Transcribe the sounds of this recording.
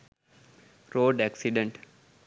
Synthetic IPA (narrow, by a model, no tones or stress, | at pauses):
ɾoːɖæksiɖẽɳʈ